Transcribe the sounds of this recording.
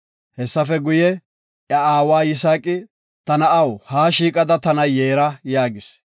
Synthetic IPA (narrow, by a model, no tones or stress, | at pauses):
hɛsːɐfɛɡʊjɛ | ʔjɐaːwaːjɪs̬aːkʼɪ | t̪ɐnɐʔɐwhaːʃiːkʼɐd̪ɐt̪ɐnɐjeːɾɐjaːɡɪs